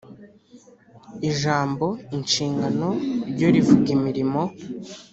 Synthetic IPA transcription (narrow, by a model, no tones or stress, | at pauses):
iʒaːmbo̞inʃiːŋɡano̞ɾɟo̞ɾivuɡimiɾimo̞